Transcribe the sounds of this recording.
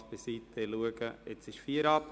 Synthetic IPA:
b̥ɪsiːteluəɡ̥əɪt͡sɪʃfiːəɾɑp

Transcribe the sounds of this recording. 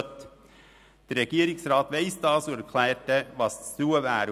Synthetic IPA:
t̪ | d̪̥ɛɾɾɛɡiːɾɪŋsɾɑːt̪ʋeɪsd̪ɑːsoæɾkʰlæːʈəʋɑsd̪uːəʋæːɾ

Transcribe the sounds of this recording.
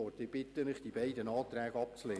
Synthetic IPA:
ɔɾt̪ɪb̥ɪt̪ːənɪχd̥ibɛɪdənɑːt̪ɾæːɡəɑpt͡sleː

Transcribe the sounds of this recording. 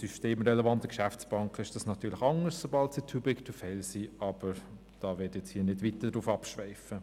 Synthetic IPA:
syʃteːmɾɛlɛvɑntəkʃæftt͡sb̥ɑŋkʰɪʃd̥ɑsnɑtʰyːlɪxɑŋəssobɑltsitʰubɪktʰufɛlsiːʔɑb̥əɾ | d̥ɑːʋɪtjɛt͡shiːənɪdʋitːədɾuːfɑpʃʋɛɪfə

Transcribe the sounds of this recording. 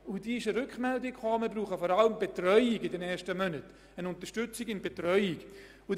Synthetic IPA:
ʊd̥iːɪʃəɾʏkχmɛldɪkχɑːmɪːbɾuːχəfɔɾɑləmbetrœʏiɡɪdɛnɛːʃtəmœnət | ənʊntəʃtʏt͡sɪɡɪnbetɾœʏɪɡ | ʊ

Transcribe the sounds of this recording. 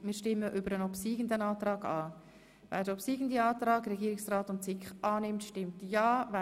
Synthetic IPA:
mɪːɾʃtɪmːəʔʏbəɾənopsiːɡəndənɑːtrɑːɡɑː | vɛ̰ːdopsiːɡən̩diɑːt̪ɾɑːɡrɛɡiːɾɪksraːtʊnt͡sɪkχɑːnɪmtʃtɪmtjɑːvɛ

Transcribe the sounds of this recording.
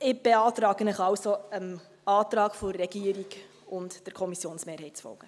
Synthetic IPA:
ɪb̥eɑːtrɑːɡənəχɑwsoəm | ɑːt̪rɑːkfɔːɛɡ̥iəɾiɡ | ʊntd̥əɾkʰɔmisjoːnsmeːɾhɛɪtt͡sfɔ̰lɡ̥ə

